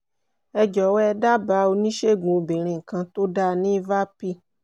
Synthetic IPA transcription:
ɛ˦d͡ʒɔ˨wɛ˦ɖa˦ba˨˦wo˦nĩ˦ʃe˦ɡũ˨bi˨ɾ̃ĩ˨ŋ˨kã˦t̪o˦ɖa˦nĩ˦va˦pi˦

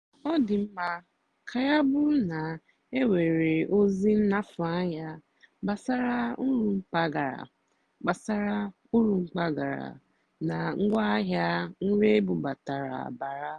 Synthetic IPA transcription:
ɔ˦dɪ˨m̩˦ma˦ | kʰa˨ja˦bʊ˦na˨ | e˦we˨ɾe˨o˦zi˦n̩˦na˦fʊ˨a˦ɦa˦ | ba˨sa˦ɾa˦ʊ˦ɾu˦ŋ͡m̩˦k͡pa˦ɡa˨ɾa̰˨ | ɡ͡ba˨sa˦ɾa˦ | u˦ɾu˨ŋ͡m̩˦k͡pa˦ɡa˨ɾa̰˨ | na˨ŋ̩˦ɡʷa˦a˦ɦja˦ŋ̩˦ɾe˦e˦bu˨ba˨ta˨ɾa̰˨a̰˨ba˨ɾa˦

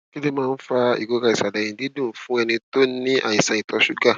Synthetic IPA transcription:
ki˦le˦mãː˦˧n̩˦fa˧ḭ˨ɡo˨˧ka˧i˨sa˨da˨jĩ˧di˨˦dũ˦˨fũ˦ɛ˧nĩ˧to˦nĩ˦ʔa˦˨ĩ˨sã˧˨i˨tʰɔ˧ʃu˦ɡa˦˨

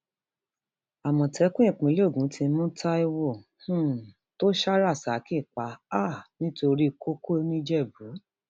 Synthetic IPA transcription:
a˨mɔ̃˨tʰɛ˨˦kũ˦ĩ˦˨k͡pũ˨˦le˦o˦˨ɡũ˨˦tĩ˧˦mũ˦tʰa˦i˧wo˦˨h̩˦ | to˦ʃa˦ɾa˦˨sa˨˦ki˦˨k͡pa˨˦a˦˨nĩ˦to˧ɾi˦ko˦ko˦nĩ˦d͡ʒɛ˦˨bu˨˦

